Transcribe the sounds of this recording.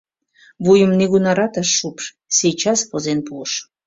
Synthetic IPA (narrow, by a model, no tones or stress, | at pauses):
βujəmneɣunɑɾɑt̪ɑʃːupʃ | sejt͡ɕɑspozenpuʃ